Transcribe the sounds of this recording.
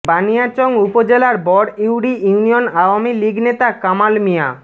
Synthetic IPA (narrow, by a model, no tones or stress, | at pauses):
banijat͡ɕoŋupod͡ʑelaɾbɔɽiwɽiuunijonawamiliɡnet̪akamalmija̰